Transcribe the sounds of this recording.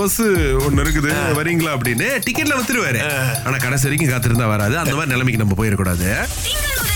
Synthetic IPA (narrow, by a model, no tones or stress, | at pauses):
ɐsɯɔnːɛɾɯk̬ːɯðɯʋɐɾiŋɡɐɭaːɐp̬ːɐɽɪnːɯʈɪkːɛʈːlɐʋɐt̪ːɯɾɯʋaːɾẽːaːnaːkɐɽɐs̬ɐɾɪk̬ʲːɯ̃kaːt̪ːɯɾɯnd̪ãːʋɐɾaːðɯɐnd̪ɐmaːɾinɛlɐmɪkʲːɯnɐmːɐpoːjɪɾɐkːuːɽaːðɯ